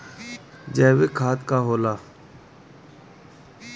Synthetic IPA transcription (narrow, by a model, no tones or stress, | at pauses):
d͡ʒɛːweːkʰaːt̪kaːɦoːlaː